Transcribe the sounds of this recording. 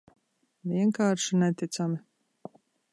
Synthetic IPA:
vʲiɛŋkaːɾʃinɛt̪it̪sami

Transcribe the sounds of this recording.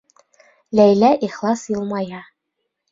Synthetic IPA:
læjlæʔiχlˠɑsjɤ̆lˠmɑjɑ

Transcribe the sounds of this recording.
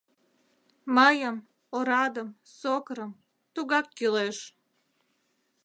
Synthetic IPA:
məjəm | oɾɑd̪əm | sokɾəm | t̪uɣɑkːyleʃ

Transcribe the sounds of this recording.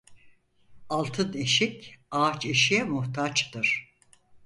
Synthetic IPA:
alˠt̪ʰɯneʃicat͡ʃeʃijɛmuht̪ʰat͡ʃt̪ɯɾ̥

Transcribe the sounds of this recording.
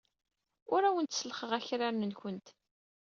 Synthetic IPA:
ʊɾæwənt̪səlχəʁæçɾaɾnənçʷənt̪

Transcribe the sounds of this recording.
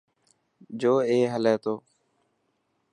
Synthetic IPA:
d͡ʒoːeːɦəlɛːt̪oː

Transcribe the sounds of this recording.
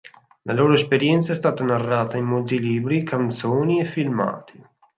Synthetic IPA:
laloːɾoespeɾjɛnt̪saɛst̪aːt̪anarːaːt̪aimːolt̪iliːbɾikant̪soːniefːilma̰ːt̪i

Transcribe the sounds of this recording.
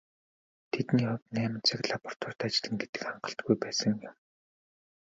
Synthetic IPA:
t̪ʰet̪niːχʊt̪næːmɪ̆nt͡sʰɪ̆kɮapɔr̥t̪ʰɔr̥t̪at͡ɕɪ̆ɮɘ̆ŋɡet̪ɘ̥̆kχaɴɢə̆ɬt̪̚ɡujpæːsə̆ŋjʊm

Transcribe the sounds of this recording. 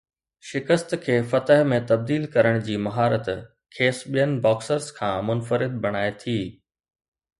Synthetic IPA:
ʃɪkəst̪kʰeːfɐt̪əɦmẽt̪ɐb̚d̪iːlkɐɾəɽ̃d͡ʑiːmɐɦaːɾət̪ | kʰeːsɓijənɪ̆bɔːksəɾzkʰãːmʊnfəɾɪd̪̚bɐɽ̃aːet̪ʰiː

